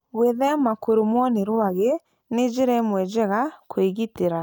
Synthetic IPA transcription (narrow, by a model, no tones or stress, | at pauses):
weðɛmakoɾomwɔneɾwaɣe | ned͡ʒeɾɛmwɛd͡ʒɛɣakoeɣiteɾa